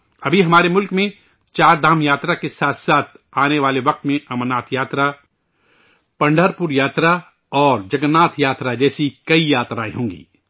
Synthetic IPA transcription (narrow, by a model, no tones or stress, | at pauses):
ɐbʱiɦɐmaːɾemʊlkmẽ | t͡ʃaːɾd̪ʱaːmjaːt̪ɾakesaːt̪ʰsaːt̪ʰaːneʋaːleʋɐq̚t̪mẽɐmənaːt̪ʰjaːt̪ɾa | pɐ̃ɳɖʱəɾpuɾjaːt̪ɾa | ɔːɾd͡ʒɐɡənːaːt̪ʰjaːt̪ɾad͡ʒɛːsikɐijaːt̪ɾaːḛɦõːŋɡḭː